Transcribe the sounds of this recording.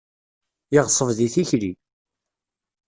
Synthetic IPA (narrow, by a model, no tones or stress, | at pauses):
jiʁsˤəvðiθiçli